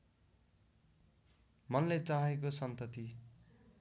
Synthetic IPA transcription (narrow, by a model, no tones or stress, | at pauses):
mʌnlet͡saɦekosʌnt̪ʌt̪i